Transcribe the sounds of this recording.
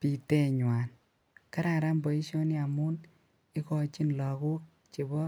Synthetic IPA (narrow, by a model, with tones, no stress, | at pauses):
pi˨tɛ˦ɲwa˨n | ka˦ɾa˨ɾa˦mbɔ˨i˦ʃɔ˦ni˦a˨mu˦n | i˦kɔ˧t͡ʃi˦nlɔ˨ku˦k̚ | t͡ʃe˨bɔ˦